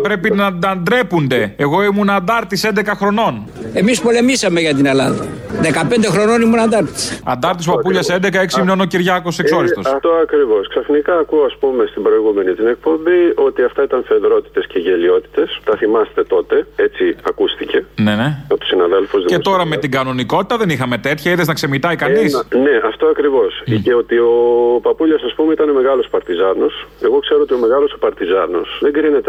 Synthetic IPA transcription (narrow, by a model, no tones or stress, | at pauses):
pɾe̞pinɐɐnd̪ɾe̞pund̪e̞ːɣo̞imunɐːnd̪ɐɾt̪ise̞nd̪e̞kɐxɾo̞no̞n | e̞mispo̞le̞misɐmeʝɐt̪inelɐ̰nðɐðekɐpe̞nd̪exɾo̞no̞nimunɐnd̪ɐɾt̪i̥sɐ̰nd̪ɐɾt̪is̬opɐpuʎɐse̞nd̪ekɐeksiminono̞ciɾʝɐkoseso̞ɾist̪oɐft̪oɐkɾivo̞sksɐfnikɐːkuoɐspumest̪ibɾo̞iɣume̞nit̪ine̞k̚po̞mbio̞t̪iɐft̪ɐit̪ɐnθeðɾo̞t̪i̥t̪e̞sceʝe̞lio̞t̪i̥t̪e̞st̪ɐθimɐst̪e̞t̪o̞t̪e̞et͡siɐkust̪ice̞neneɐot̪o̥sinɐðelfuzðicet̪o̞ɾɐmet̪iɡɐno̞niko̞t̪i̥t̪ɐðe̞nixɐme̞t̪e̞t̪çɐiðeznɐkse̞mit̪ɐikɐnisneɐft̪o̞ɐkɾivo̞sceot̪io̞pɐpuʎɐsɐspumeit̪ɐne̞me̞ɣɐlo̞sopɐɾt̪izɐno̞se̞ɣo̞kse̞ɾoot̪io̞me̞ɣɐlo̞sopɐɾt̪izɐno̞sðe̞ɡɾine̞t̪e